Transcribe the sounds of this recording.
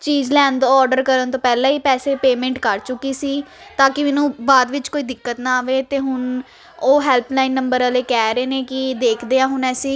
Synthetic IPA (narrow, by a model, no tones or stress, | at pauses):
t͡ʃiːd͡ʒlɛːnd̪ɔːɾɖəɾkəɾənt̪õːpɛːlãːiːpɛːseːpeːmɛ̃ːɳʈkəɾt͡ʃʊkːiːsiːt̪aːkɪmeːnũːbaːd̪ʋɪt͡ʃkoːiːd̪ɪkːət̪nãːaːʋeːt̪eːɦʊn | oːɦɛːlpʰlaːinːəmbəɾəleːkɛːɾeːneːkɪd̪eːkʰd̪eːãːɦʊnɛːsĩː